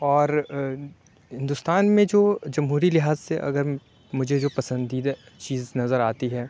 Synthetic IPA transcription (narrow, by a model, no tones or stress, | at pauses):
ɔːɾ | ɦɪ̃nd̪ʊst̪aːnmẽd͡ʒoːd͡ʒɐmɦuːɾilɪɦaːzseʔɐ̰ɡəɾ | mʊd͡ʒʱed͡ʒoːpɐsə̃nd̪it͡ʃiːznɐzəɾaːt̪iɦɛː